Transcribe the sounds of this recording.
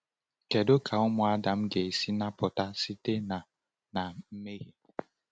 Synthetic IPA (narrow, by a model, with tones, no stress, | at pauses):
ke˨do˦kʰa˨ʊ˦mʊ˨a˦da˨m̩˦ɡe˨e˨si˦na˦pʊ˨ta˦si˦te˦na˨ | na˨m̩˦me˦ɣi˨